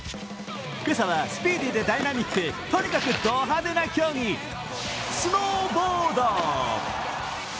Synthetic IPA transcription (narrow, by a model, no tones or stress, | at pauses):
kɯɾɯsaβasɨ̥pʲiːd̪ʲid̪e̞d̪ainamʲikːɯ̟t̪o̞ɲ̟ikakɯ̟d̪oːɦad̪enakʲoːŋʲi | sɨnoːboːd̪o